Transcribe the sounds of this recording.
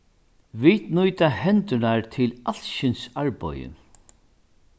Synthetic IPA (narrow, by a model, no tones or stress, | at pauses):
ʋit̪nʊjt̪ahɛnt̪ʏɳaɹt̪ʰɪlal̥ʃɪnsaɹpɔ̰jə̰